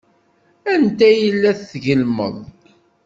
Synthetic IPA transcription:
ænt̪æjəlːæθθʝəlmə̰ðˤ

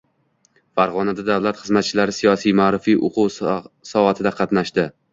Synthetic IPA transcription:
faɾʁɒnad̪ad̪awlat̪χɨzmat̪̚t͡ʃʰɪlaɾɪsijɒsijmaːɾɪfijʔoqʰuwsɒat̪ʰɪd̪aqʰɑt̪naʃd̪ɪ

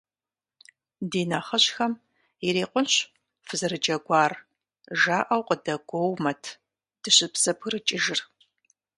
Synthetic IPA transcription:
diːnaχɐɕxɐm | ɪɾeːqʷʊnɕ | fɨzɐɾɨd͡ʒɐɡʷɑːr | ʒaːʔɐwqʼədɐɡʷowmɐtʰ | d̥ɨɕɪpsɐpʰɨrɨt͡ʃʼɪʒɪr

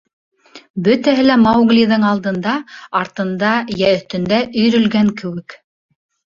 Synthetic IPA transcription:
bɵt̪æɦɘlæmowɡlʲiðɤɴɑlˠd̪ɤ̆nd̪ɑɑɾt̪ɤ̆nd̪ɑjæɵ̆θt̪ɵ̆nd̪æʔɵ̆jɾɵ̆lɡæŋkɘ̆wɘk

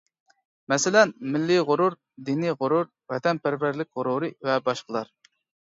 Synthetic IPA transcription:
mɛsɪlɛnmɪlːɪʁʊɾuɾ | d̪iniʁʊɾuɾ | vɛt̪ɛnpæɾvæɾlɪk̚ʲʁʊɾuɾɨvɛbɑʃqəlˠɑɾ

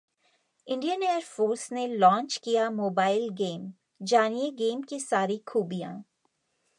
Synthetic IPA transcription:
ɪ̃ɳɖijəneːəɾfoːɾsnelɔ̃ːɲt͡ʃkijamoːbaːɪlɡeːm | d͡ʒaːnijeɡeːmkisaːɾikʰuːbijã̰ː

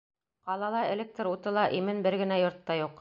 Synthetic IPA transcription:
qɑlˠɑlˠɑɘ̆lʲek̚t̪ɾut̪ɤ̆lˠɑʔimɘnbɘɾɡɘ̆næjŏɾt̪ːɑjuq

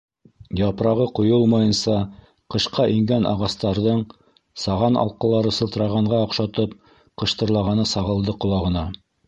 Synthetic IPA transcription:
jɑpɾɑʁɤqŭjolˠmɑjɤ̆nsɑ | qɤ̆ʃqɑʔiŋɡænɑ̰ʁɑst̪ɑɾðɤɴ | sɑʁɑnɑ̰lˠqɤ̆lˠɑɾɤsɤ̆lˠt̪̆ɾɑʁɑɴʁɑɑqʃɑt̪ɤp̚ | qɤ̆ʃt̪ɤ̆ɾlˠɑʁɑnɤsɑʁɤ̆lˠd̪ɤqŏlˠɑʁɤ̆nɑ

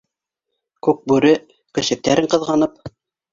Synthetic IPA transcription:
kʉk̚bʉɾɘ | kɵ̆sɘ̆k̚t̪æɾɘɴqɤ̆ðʁɑnɤp̚

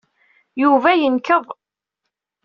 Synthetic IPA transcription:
juvæjənkəðˤ

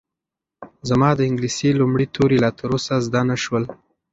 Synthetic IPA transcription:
zamɑd̪əɪŋɡlisilumɽit̪ʰoɾelɑt̪əɾosazd̪anaʃwəl

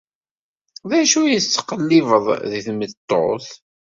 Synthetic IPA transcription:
ðæʃujət͡sːə̥qːəlːɪvəðˤðiθmət̪ˤːo̰θ

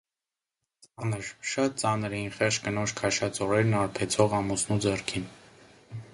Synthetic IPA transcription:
t͡sɑnəɾʃɑt̪̚t͡sɑnəɾɛinχɛʁt͡ʃkənɔt͡ʃʰkʰɑʃɑt͡sɔɾɛɾnɑɾpʰɛt͡sʰɔʁɑmusnud͡zɛrkʰin

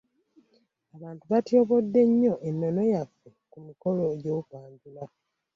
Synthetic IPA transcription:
aβaːntuβatjo̞ːβo̞dːe̞ɲːo̞ʔenːono̞jafːekumiko̞lo̞eɟoupaːɲɟula

